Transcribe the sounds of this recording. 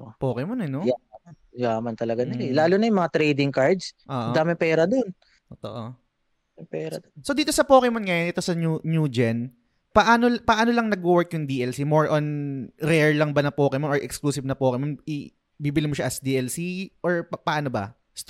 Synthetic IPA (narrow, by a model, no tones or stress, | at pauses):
opoːkɛmonɛnojaanjamɐnt̪ɐlɐɡanɐlɛlaːlʊnɐjʊmɐŋat̪ɾɛjd̪ɪŋkaɹd̪sʔoːʔod̪aːmɪpɛːɾɐd̪on | ot̪o̰ʔo | ɪpɛːɾɐ̰d̪onsod̪iːt̪osɐpoːkɛmonŋɐjonʔɛt̪o̞sɐnunud͡ʒɛn | pɐʔaːnolpɐʔaːno̞lɐŋnɐɡ̚uwɛɹkjʊŋd̪iːʔɛlsimoɹʔonɾɛɹlɐŋbanɐpoːkɛmooɹʔɛkskluːsɪvnɐpoːkɛmonʔɪ | bibɪlɪmoʃaʔɐsd̪iːʔɛlsiʔoɹppɐʔaːnobɐ̰ | st̪